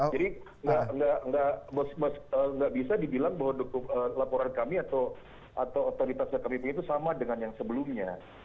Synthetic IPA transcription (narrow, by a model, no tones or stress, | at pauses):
d͡ʒadi | əŋɡaŋɡaʔŋɡaʔbəskmasəːŋɡaʔbisadibilaŋbaɦwadokuəlapoɾankamiat̪aw | at̪awot̪oɾit̪asjakamipuɲat̪usamadəŋanjaŋsəbəlʊmɲa